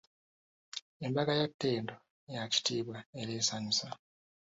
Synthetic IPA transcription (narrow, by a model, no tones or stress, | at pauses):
embaɡajatːe̞ːndo̞ | jaci̥tiːβwaeɾe̞ːsaɲusa